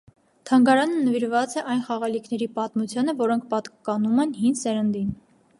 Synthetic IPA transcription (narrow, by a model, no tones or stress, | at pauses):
t̪ʰɑŋɡɑɾɑnənəviɾvɑt͡sɛʔɑjnχɑʁɑlikʰnɛɾipɑt̪mut͡sʰjɑnəvɔɾɔŋkʰpɑt̪kɑnumɛnɦinsɛɾənd̪in